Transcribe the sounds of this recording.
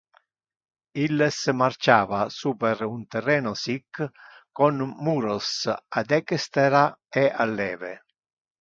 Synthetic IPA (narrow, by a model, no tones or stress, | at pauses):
ilːesmart͡ʃaːvasuːpeɾunt̪ɛrːɛːnosikːkːonmuːɾosad̪ɛkest̪eɾaeʔalːɛːvḛ